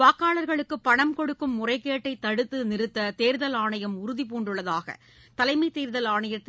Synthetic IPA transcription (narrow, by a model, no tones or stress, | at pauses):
aːkːaːɭɐɾɣɐɭɯkːɯpːɐɳɐmkɔɽɯkːɯmːʊrɐɪkːeːʈːɐɪt̪ːɐɽɯt̪ːɯnɪɾɯt̪ːɐt̪eːɾðɐlaːɳɐjɐmʊɾʊðipuːɳɖɯɭːɐðaːɣɐ̰ | t̪ɐlɐɪmɐɪt̪eːɾðɐlaːɳɐjɐt̪ː